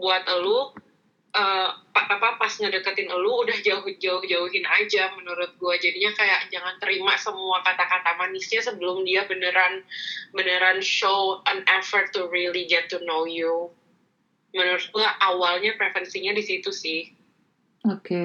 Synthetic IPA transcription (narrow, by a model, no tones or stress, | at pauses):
buat̪əlu | əpaʔp̪apapasɲədəkət̪ɪnəluːdahd͡ʒaɦ̚d͡ʒaʊhd͡ʒauɦɪnad͡ʒamənuɾʊt̪̚ɡuad͡ʒadiɲakajaʔd͡ʒaŋant̪əɾimasəmuakat̪akat̪amanɪsɲasəbəlʊmdiabənəɾanbənəɾanʃoənɛfərt̪ːuɾiliɡɛt̪ːunoju | mənuɾʊt̪̚ɡulaʔawalɲapɾefənsiɲadisit̪usɪh | oke